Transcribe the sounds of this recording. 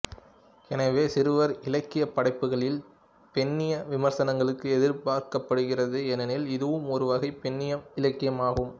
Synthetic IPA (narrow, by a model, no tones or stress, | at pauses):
ɛnɐʋeːsɪɾɯʋɐɾɪlɐkːɪjɐpːɐɽɐɪpːɯɣɐɭɪl | pɛnːɪjɐʋɪmɐɾsɐnɐŋɡɐɭɯkːɯɛðɪɾpaːɾkɐpːɐɽɯɣɪrɐðɯɛnɐnɪlɪðɯʋɯmɔɾɯʋɐɣɐɪpɛnːɪjɐmɪlɐkːɪjɐmaːɣɯm